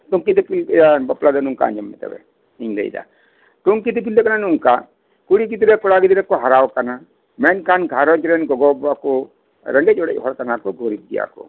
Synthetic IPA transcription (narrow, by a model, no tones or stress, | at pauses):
t̪uŋkid̪ɛpilɛabɔplad̪ɔnuŋka̰a̰ɲd͡ʒɔmːɛ̰t̪ɛ̰bɛ̰ | iɲlɛ̰jd̪a̰ | t̪uŋkit̪ip̬ild̪ɛkananuŋka | kuɽikid̪iɾɛkɔɽaɡid̪iɾɛkɔɦaɾawkana | mɛnkanɡʱaɾɔd͡ʒɾɛnɡɔɡɔbakɔ | ɾɛŋɡɛc̚ɔɽɛ̰c̚ɦɔɾkanakɔɡʱɔɾit̪̚d̪ija̰kɔ̰